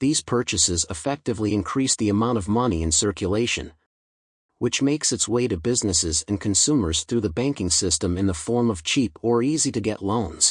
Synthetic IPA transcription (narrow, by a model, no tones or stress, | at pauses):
ðiz̥pʰɜ˞t͡ʃɨsɪzəfɛk̚tɨvliɨ̃nkʰɹ̥isðiɨmãʊ̃ɾ̃ʌvmʌniɨ̃nsɜ˞kʰjɨleɪʃɨ̰̃n | wɨt͡ʃmeɪksɨtsweɪɾɨbɪznɨsɪzɨ̃nkʰɨ̃n̩sumə˞z̥θɹʉðɨbæ̃ŋkɪ̃ŋsɪstə̃mɨ̃nðəfɔɹmʌv̥t͡ʃʰipə˞iziɾɨɡɛ̰ʔˡlõʊ̃nz̥